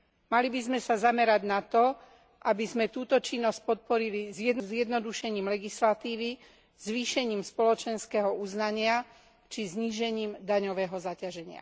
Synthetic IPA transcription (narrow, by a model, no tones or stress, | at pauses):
malibizmɛsazamɛɾaɟnat̪ɔ | ʔabizmɛt̪uːt̪ɔt͡ʃinːɔsc̚pɔt̪̚pɔɾilizɪjɛd̪nzɪjɛd̪nɔd̪uʃɛɲiːmlɛɡislat̪iːʋi | z̥ʋiːʃɛɲiːmspɔlɔt͡ʃɛnskɛːɦɔuznaɲɪa | t͡ʃizɲiːʒɛɲiːmd̪aɲɔʋɛːɦɔzacaʒɛɲɪa̰